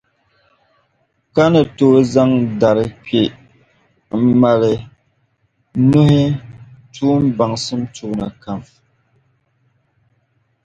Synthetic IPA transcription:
ka˦nɨ˨to˨˦za˦ŋda˨ɾɨ˨k͡pe˨ | m̩˦ma˨lɨ˨ | nu˦hɪ˦tʰuː˦m˦ba˨ŋsɨ˦mtu˨ʔna̰˨ka˨mf

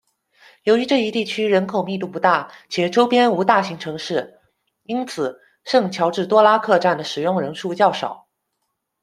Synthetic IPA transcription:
jo˧˥ʊy˧˥ʈ͡ʂɤ˥˧i˧˥t̪i˥˩t͡ɕʰy˥ɻə˧˥nkʰo˨˩ʊmi˥˧t̪u˥˩pu˧˥t̪a˥˩t͡ɕʰjɛ˨˩ʈ͡ʂo˥ʊpjɛ˥nu˧˥t̪a˥˩ɕi˧˥ŋʈ͡ʂʰɤ˧˥ŋʂɻ̩˥˩ | i˥nt͡sʰɹ̩˨˩ | ʂɤ˥˩ŋt͡ɕʰjɑ˧˥ʊʈ͡ʂɻ̩˥˩t̪wɔ˥la˥kʰɤ˥˧ʈ͡ʂa˥˩nd̪ə˩ʂɻ̩˨˩jʊ˥˩ŋɻə˧˥nʂu˥˧t͡ɕjɑ˥˩ʊʂɑ˨˩˦ʊ

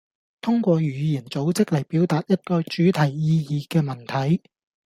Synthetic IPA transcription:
t̪ʰʊ˥ŋkʷɔː˧jyː˨˩jiː˨˩nt͡so˨˥wt͡sɪ˥k̚lɐ˨˩jpi˨˥wt̪aː˨t̚jɐ˥t̚kɔː˧jt͡ʃyː˨˥t̪ʰɐ˨˩jːiː˧jiː˨˧kɛː˧mɐ˨˩nt̪ʰɐ˨˥j

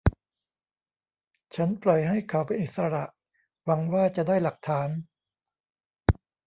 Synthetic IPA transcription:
t͡ɕʰa˦˥nplɔ˨˩jɦa˥˩jkʰa˩˦˥wpe˧nʔi˨˩t̪̚sa˧ɾa˨˩ʔ | wa˧˦ŋwaː˥˩t͡ɕa˨˩daː˥˩jla˨˩k̚t̪ʰaː˩˦n

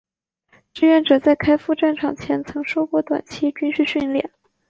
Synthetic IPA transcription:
ʈ͡ʂɻ̩˥˧ɥɛ˥˩nʈ͡ʂɤ˨˩t͡sa˥˩ɪkʰa˥ɪfu˥˧ʈ͡ʂa˥˩nʈ͡ʂʰɑ˨˩ŋt͡ɕʰjɛ˧˥nt͡sʰɤ˧˥ŋʂo˥ʊkwɔ˥˩t̪wa̰˨˩nt͡ɕʰi˥t͡ɕy˥nɕy˥˧ɕy˥˧nljɛ̰˥˩n

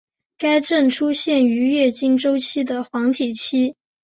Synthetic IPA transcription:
ka˥ɪʈ͡ʂə˥˩nʈ͡ʂʰu˥ɕjɛ˥˩ny˧˥ɥɛ˥˩t͡ɕi˥nʈ͡ʂo˥ʊt͡ɕʰi˥d̪ə˨xwɑ˧˥ŋt̪ʰi˨˩t͡ɕʰi˥

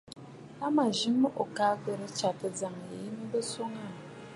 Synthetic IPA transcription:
a˦ma˨ʒi˦m˦ʔo˨ka˦kə˨ɾə˦t͡ʃa˨tə˨d͡za˨ŋ˨ji˦m˦bə˦so˦ŋa˦˨n˨

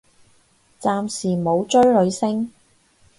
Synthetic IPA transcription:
t͡saː˧msiː˨˩mo˨˧wt͡ʃɵ˥ɥlɵ˨˧ɥsɪ˥ŋ

